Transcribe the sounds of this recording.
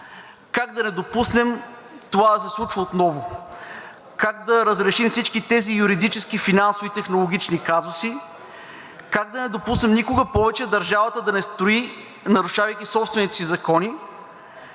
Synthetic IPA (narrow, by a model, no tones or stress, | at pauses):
kaɡd̪ɐnɛd̪opusnɛm | t̪ovad̪ɐsɛslˠut͡ʃvəot̪nɔvʊ | kaɡd̪ɐɾəzɾɛʃimfsit͡ʃkit̪ɛzijuɾid̪it͡ʃɛskifinansovit̪ɛxnolˠoɡ̟ʲit͡ʃnikazʊsi | kaɡd̪ɐnɛd̪opusnɛmnikʊɡəpɔvɛt͡ʃɛd̪ɐɾʒavət̪əd̪ɐnɛst̪oi | nɐɾʊʃavɐjkʲisɔpst̪vɛnit̪ɛsizɐkɔni